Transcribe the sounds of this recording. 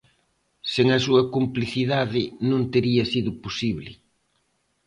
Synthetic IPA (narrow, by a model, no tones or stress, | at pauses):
seŋɐsuɐkumpliθiðaðɪnũnt̪eɾiɐsiðʊposiβlɪ̰